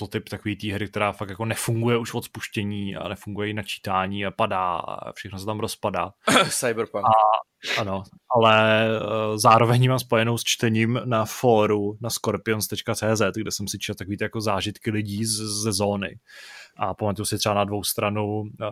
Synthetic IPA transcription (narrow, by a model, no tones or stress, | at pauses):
t̪ot̪ɪpt̪akoviːt̪iːɦɾɪk̚t̪ɛɾaːfakjako̞nɛfuŋɡujɛuʃvot̪spuʃcɛɲiːa̰nɛfuŋɡujɛɪnat͡ʃi̥ːt̪aːɲiːapadaːa̰fʃɛxnosɛt̪amɾospadaːsajbɾpaa | ʔano̞ | ʔalɛ | zaːɾovɛɲmaːmspo̞jɛnowst͡ʃt̪ɛɲiːmnafoːɾunaskoɾpɪonst̪ɛt͡ʃkat͡sɛːzɛt̪ɡdɛsɛmsɪt͡ʃɛtt̪akoviːt̪ɪjakozaːʒɪt̪kɪlɪɟiːzɛzo̞ːnɪ̰ʔapamat̪ujusɪt̪r̥ɛbanadvo̞wst̪ɾanu